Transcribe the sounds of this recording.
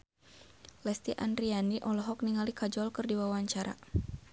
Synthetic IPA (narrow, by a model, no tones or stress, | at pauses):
lɛst̪iʔandɾianiʔɔlɔɦɔk̚niŋalikad͡ʒɔlkɨrdiwawaɲt͡ʃaɾa̰